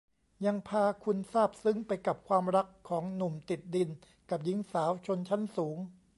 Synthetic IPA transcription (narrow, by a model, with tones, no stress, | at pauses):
ja˧ŋpʰaː˧kʰu˧nsaː˥˩p̚sɯ˦˥ŋpa˧jka˨˩p̚kʰwaː˧mɾa˦˥kʰːɔː˩˦ŋnu˨˩mt̪i˨˩t̪̚di˧n | ka˨˩p̚ji˦˥ŋsaː˩˦wt͡ɕʰo˧nt͡ɕʰa˦˥nsuː˩˦ŋ